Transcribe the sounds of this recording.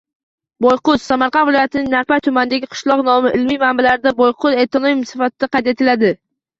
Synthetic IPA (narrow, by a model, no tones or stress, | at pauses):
bojqʊzsamaɾqɑnvɪlɒjat̪ʰɪnɪŋnaɾpajt̪ʰʊmanɪd̪aɡʲɪqʰɨ̥ʃlˠɒqnɒmɪʔɪlmijmambalaɾɪd̪abojqʰʊzet̪ʰonomimsɪ̥fat̪ʰɪd̪aqʰɑjt̪e̞t̪ʰɪlad̪ɪ